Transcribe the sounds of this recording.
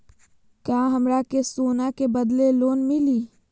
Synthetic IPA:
kaːɦəmɾakesoːnakebəd̪leloːnmɪliː

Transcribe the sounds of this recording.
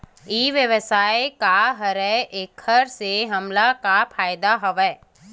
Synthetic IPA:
iːʋjəʋəsaːekaɦɐɾɛʔeːkʰːəɾseɦɐmlakapʰaːjd̪aɦɔʋɛː

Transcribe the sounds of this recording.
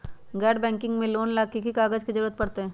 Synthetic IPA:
ɡɛːɖbɛ̃ːŋkɪ̃ŋɡmẽloːnlaːkikikaːɡəd͡ʒkizɐɾuːɾət̪̚pɐɽt̪eɦɛ̃ː

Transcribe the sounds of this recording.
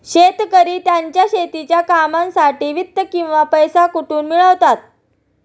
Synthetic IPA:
ɕet̪kəɾiːt̪jaɲt͡ɕjaɕet̪it͡ɕjakamãnsaʈiːʋit̪ːəkĩw̃ʋapəjsakuʈuːnmiɭəʋt̪at̪̚

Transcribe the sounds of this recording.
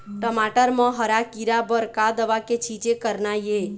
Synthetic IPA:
ʈəmaʈəɾmə̃ɦəɾakiɾabəɾkad̪əʋaket͡ʃʰit͡ʃekəɾnaje

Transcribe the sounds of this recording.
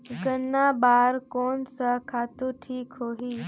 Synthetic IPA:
ɡənːabaːɾkoːnsəkʰaːt̪uʈʰiːkɦoːɦiː

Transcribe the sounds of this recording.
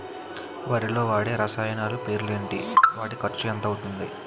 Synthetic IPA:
ʋaːɾilo̞ːʋaːɽeːɾɐsaːjɐnaːlupe̞ːɾlue̞ːɳʈiʋaːɽikɐɾt͡ʃujɐnt̪ɐwut̪und̪i

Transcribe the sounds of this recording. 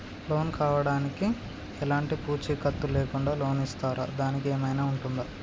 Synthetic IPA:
lo̞ːnkaːʋɐɽaːniki | ɛlaːɳʈipuːt͡ʃikɐt̪ːuleːkuɳɖaːlo̞ːnist̪aːɾa̰ːd̪aːnikeːmɐjnaːuɳʈund̪a

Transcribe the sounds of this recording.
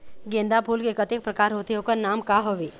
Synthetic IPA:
ɡẽːnd̪apʰuːlkekət̪ek̚pɾəkaːɾɦoːt̪eɦokəɾnaːmkaɦoʋe

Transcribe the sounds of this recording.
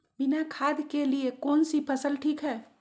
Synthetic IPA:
binakʰaːd̪ʱkeliekoːnsipʰəsəlʈʰiːkɦɛː

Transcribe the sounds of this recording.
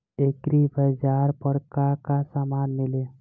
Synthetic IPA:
ekɾibʱəd͡ʒaːɾpəɾkakasaːmaːnmɪle

